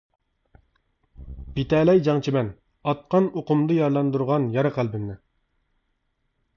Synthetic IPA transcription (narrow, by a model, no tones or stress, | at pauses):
bit̪ɛːlɛjd͡ʒɑŋt͡ʃʰimɛn | ɑt̪̚qɑnoqʊmd̪ɨjɑɾlˠɑnd̪uɾʁɑnjɑɾɨqʰælbɪmnɪ